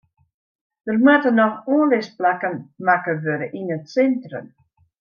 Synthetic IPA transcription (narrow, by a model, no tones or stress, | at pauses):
d̥ərmatənɔxoːnlɪsplakənmakəʋøɾəʔinətsɛntrə̰m